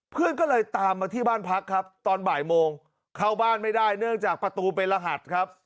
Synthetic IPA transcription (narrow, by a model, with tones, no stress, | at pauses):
pʰɯ˥˩ənk̬ɔː˥˩lɤː˧jt̪aː˧mːaː˧t̪ʰiː˥˩baː˥˩npʰa˦˥kʰːa˦˥p̚t̪ɔː˧nbaː˨˩jmoː˧ŋ | kʰaː˥˩wbaː˥˩nma˥˩jdaː˥˩jnɯ˥˩əŋt͡ɕaː˨˩k̚pɾa˧t̪uː˧pe˧nla˧ɦa˨˩t̪̚kʰɾa˦˥p̚